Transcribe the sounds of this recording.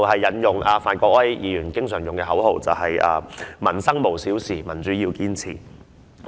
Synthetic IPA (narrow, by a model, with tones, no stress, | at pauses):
whɐ˨jːɐ˨˥njʊ˨˩ŋʔaː˧faː˨˧nkʷɔː˧˥k̚wɐ˥jjiː˨˧jyː˨˩nkɪ˥ŋsœː˨˩ŋjʊ˨ŋkɛː˧ɦɐ˨˥wɦo˨˧wt͡sɐ˨whɐ˨ja̰ː˧mɐ˨˩nsɐ˥ŋmo˨˩wsiː˨˥wsiː˨˩mɐ˨˩nt͡syː˨˥jiː˧wkiː˥nt͡sʰiː˨˩